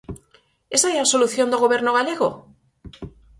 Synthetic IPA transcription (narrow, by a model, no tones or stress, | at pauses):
esajaso̞luθjo̞nd̪eɣo̞βe̞ɾnoɣaleɣo